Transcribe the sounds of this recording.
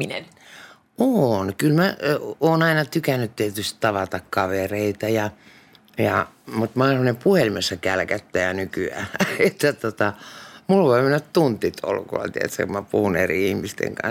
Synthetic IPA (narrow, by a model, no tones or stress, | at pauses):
inen | onkylmæoːnɑinɑt̪ykænːyt̪t̪iæt̪yst̪t̪ɑʋɑt̪ɑkkɑʋereit̪ɑjɑ | jɑ̰ | mut̪mɑhonepuhelimesːɑkælkæt̪ːæjɑnykyæ̰et̪ːæt̪ot̪ɑmulʋoimenæt̪t̪unt̪ːˑit̪ʰo̰lːṵkṵlɑ̰t̪iḛt̪sæ̰kumæpuhunḛriihmist̪ḛŋkɑ̰n